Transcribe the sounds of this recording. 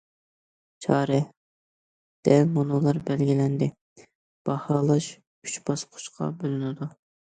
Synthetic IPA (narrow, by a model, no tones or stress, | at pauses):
t͡ʃʰɑːɾɛ | d̪̥ɛlmonolˠɑɾbɛlɡʲilɛnd̪ɪ | b̥ɑhɑːlˠɑʃ | y̥t͡ʃbɑsqʰʊ̥ʃqʰɑ̰bølynɪd̪u